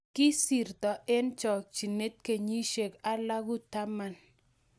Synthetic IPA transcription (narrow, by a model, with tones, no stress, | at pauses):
kɪ˦si˨ɾtɔ˨ʔɪ˦nt͡ʃɔ˨k̚t͡ʃi˨ne˦t̚ke˨ɲi˦ʃe˨ka˦la˦ɡu˦ta˦ma˦n